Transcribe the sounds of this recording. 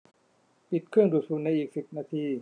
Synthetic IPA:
pi˨˩t̪̚kʰɯ˥˩əŋduː˨˩t̪̚suː˨˩nna˧jʔiː˨˩k̚si˨˩p̚naː˧t̪ʰiː˧

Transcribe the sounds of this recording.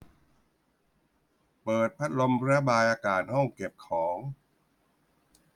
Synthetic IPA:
pɤː˨˩t̪̚pʰa˦˥t̪̚lo˧m˧ɾbaː˧jʔaː˧kaː˨˩t̪̚hɔ˥˩ŋke˨˩p̚kʰɔː˩˦ŋ

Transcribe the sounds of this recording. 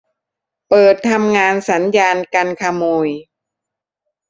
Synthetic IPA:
pɤː˨˩t̪ʰːa˧mŋaː˧nsa˩˦njaː˧nka˧nkʰa˧moː˧j

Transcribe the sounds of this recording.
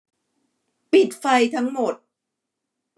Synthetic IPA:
pi˨˩t̪̚fa˧jt̪ʰa˦˥ŋmo˨˩t̪̚

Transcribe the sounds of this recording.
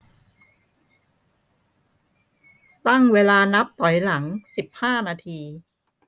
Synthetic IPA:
pa˥˩ŋweː˧laː˧na˦˥p̚pʰɔ˨˩˦jla˩˦ŋsi˨˩p̚haː˥˩naː˧t̪ʰiː˧

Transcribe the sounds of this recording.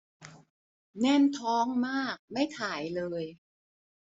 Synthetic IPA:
nɛ˥˩nt̪ʰɔː˦˥ŋmaː˥˩k̚ma˥˩jt̪ʰaː˩˦jlɤː˧j

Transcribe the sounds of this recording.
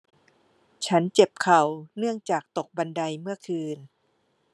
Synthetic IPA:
t͡ɕʰa˦˥nt͡ɕe˨˩p̚kʰa˨˩wnɯ˥˩əŋt͡ɕaː˨˩k̚t̪o˨˩k̚ba˧nda˧jmɯ˥˩ɐkʰɯː˧n

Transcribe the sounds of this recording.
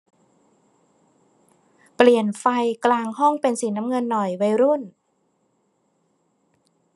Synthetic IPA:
pli˨˩ənfa˧jklaː˧ŋhɔ˥˩ŋpe˧nsi˩˦naː˦˥mŋɤ˧nːɔ˨˩jwa˧jɾu˥˩n

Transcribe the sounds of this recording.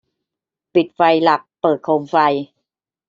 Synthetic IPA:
pi˨˩t̪̚fa˧jla˨˩k̚pɤː˨˩t̪̚kʰoː˧mfa˧j

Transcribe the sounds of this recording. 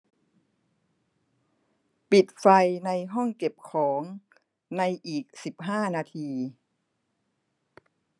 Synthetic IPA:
pi˨˩t̪̚fa˧jna˧jɦɔ˥˩ŋke˨˩p̚kʰɔː˩˦ŋ | na˧jʔiː˨˩k̚si˨˩p̚ɦaː˥˩naː˧t̪ʰiː˧

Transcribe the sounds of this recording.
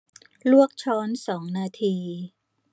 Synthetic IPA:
lu˥˩ək̚t͡ɕʰɔː˦˥nsɔː˩˦ŋnaː˧t̪ʰiː˧

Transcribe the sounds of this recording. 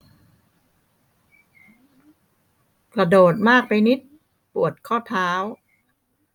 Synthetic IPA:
kɾa˧doː˨˩t̪̚maː˥˩k̚pa˧jni˦˥t̪̚ | pu˨˩ət̪̚kʰɔː˥˩t̪ʰaː˦˥w

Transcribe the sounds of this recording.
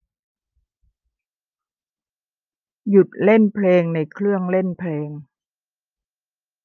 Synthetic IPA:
ju˨˩t̪̚le˥˩npʰleː˧ŋna˧jkʰɾɯ˥˩əŋle˥˩npʰleː˧ŋ

